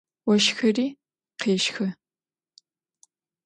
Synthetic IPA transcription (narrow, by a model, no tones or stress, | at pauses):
wɔʃxɐriː | qʰeːʃxɐ